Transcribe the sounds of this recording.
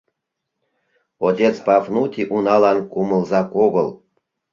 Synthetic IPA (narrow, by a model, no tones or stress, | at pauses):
od̪ʲet͡spɑfnut̪ʲiʔunɑlɑnkumə̆lzɑkoɣɤl